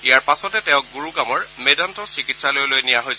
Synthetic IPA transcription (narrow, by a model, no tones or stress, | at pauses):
ijaɹpasɔtɛtɛʊ̃k̚ɡuɹuɡamɔɹmedɔntɔsikitsalojlojnijaɦojs